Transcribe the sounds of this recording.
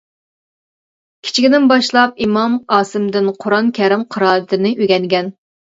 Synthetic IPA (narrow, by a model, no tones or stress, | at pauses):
kʲʰi̥t͡ʃʰiɡʲinɪnbɑʃlˠɑp̚imɑmɑːsɨmd̪ɪnqʰʊɾɑnkʲʰɛɾɪmqʰəɾɑːɾɨt̪ʰɪnɪʔøɡʲɛŋɡʲɛn